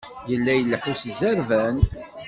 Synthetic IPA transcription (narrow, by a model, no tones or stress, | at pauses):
jəlːæjəlːəħuszæɾvæn